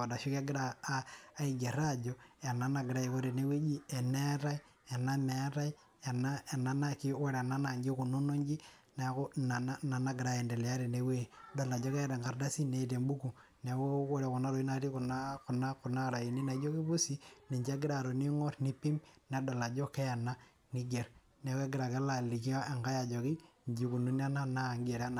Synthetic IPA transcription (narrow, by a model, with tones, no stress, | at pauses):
a˨da˨ʃi˦ka˦ɡɪ˦ɾa˨aː˦i˨ɡe˨ɾa˦d͡ʒɔ˨e˨na˦na˨ɡɪ˨ɾa˦i˨ko˦ɾe˨ne˦we˦d͡ʒi˦ɛ˨ne˦ɾa˦i˦ | e˨na˦me˨˦ɾa˦i˦ | e˨na˦e˨na˨na˦ki˦wɔ˦ɾɛ˨na˦na˨ɲd͡ʒi˦ku˨no˦no˦ɲd͡ʒi˦ | na˨˦ku˦na˨na˦na˨na˦ɡɪ˨ɾa˦jɛ˨ndɛ˨lɛ˨ja˦ɾe˨ne˦we˦˨do˨la˨d͡ʒɔ˦kɛ˦ɾɛ˨ŋɡa˨ɾda˦si˦ne˦˨te˨mbu˦ku˨ | ne˨wo˦wɔ˦ɾɛ˨kʊ˨na˦ɾo˨i˦na˨ti˦kʊ˨na˦kʊ˨na˦kʊ˨na˦ɾa˨i˨ni˦na˨˦d͡ʒo˦ki˦bu˦si˦ni˨ɲd͡ʒa˦ɡɪ˦ɾa˨ɾo˨ni˦ŋɔ˦tni˦pi˦mnɛ˨dɔ˨la˨d͡ʒɔ˦kɛ˦ja˨na˦ | ŋi˦ɡe˨ɾ | nɛ˨˦ke˦ɡɪ˦ɾa˨ke˦la˨li˨ki˦ɔ˦e˨ŋɡa˦ja˨d͡ʒɔ˨ki˦ɲd͡ʒi˦ku˨nu˦n˦a˦na˦na˦˨ŋɡe˨ɾa˦na˨